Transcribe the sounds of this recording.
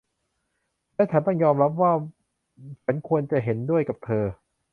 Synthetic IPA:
lɛː˦˥t͡ɕ̪ʰaː˧˥˩nt̪ɔ˥˩jɔː˧mɾa˦˥p̚waː˥˩ | t͡ɕʰa˩˦nkʰu˧ənt͡ɕa˨˩ɦe˩˦ndu˥˩əjka˨˩p̚t̪ʰɤː˧

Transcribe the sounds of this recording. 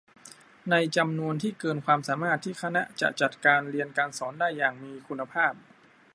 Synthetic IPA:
na˧jt͡ɕa˧mnu˧ənt̪ʰiː˥˩kɤː˧nkʰwaː˧msaː˩˦maː˥˩t̪ʰːiː˥˩kʰa˧na˦˥t͡ɕa̰˨˩ʔt͡ɕa˨˩t̪̚kaː˧nɾi˧ənkaː˧nsɔː˩˦ndaː˥˩jːaː˨˩ŋmiː˧kʰu˧nːa˧pʰaː˥˩p̚

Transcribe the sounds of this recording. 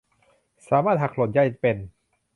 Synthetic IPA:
saː˨˦maː˥˩t̪̚ha˨˩k̚lo˨˩t̪̚ja˧˩jpe˧n

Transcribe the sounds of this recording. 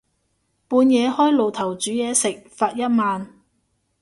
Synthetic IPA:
puː˨˧njɛː˨˧hɔː˥jlo˨wt̪ʰɐ˨˩wt͡ʃyː˨˥jɛː˨˧sɪ˨k̚faː˧t̚jɐ˥t̚maː˨˧n

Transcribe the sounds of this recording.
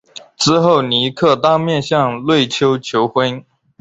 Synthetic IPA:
ʈ͡ʂɹ̩˥xo˥˩ʊni˧˥kʰɤ˥˧˩t̪ɑ˥mjɛ˥˧nɕjɑ˥˧ŋlwe˥˩ɪt͡ɕʰjo˥ʊt͡ɕʰjo˧˥ʊxwə˥n

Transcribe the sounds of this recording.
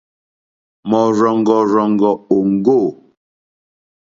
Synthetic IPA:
mɔ˨ɾɔ˨ŋ˨ɡɔ˨ɾɔ˨ŋ˨ɡɔ˨o˨ŋ̩˦ɡo˦˨

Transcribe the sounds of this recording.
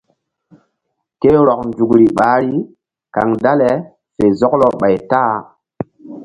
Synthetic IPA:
ke˦ɾɔ˨k̚nd͡ʒu˨kɾi˨ɓaː˨˦ɾii˦ | ka̰˨ŋda˦le˨ | se˨zɔ˦klɔ˨ɓa˨jta˦˨

